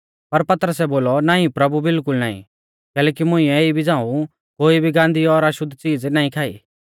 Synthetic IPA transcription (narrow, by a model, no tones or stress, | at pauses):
pɐɾpɐt̪ɾəsɛboːlɔnaːĩpɾɐbubɪlkʊlnaːḭ̃ | kɛːlɛːkimʊ̃ɪ̃ɛ̃eibʱid͡zãːũ | koːibʱiɡãːnd̪iɔɾaʃʊd̪ʱt͡siːd͡znaːĩkʰaːḭː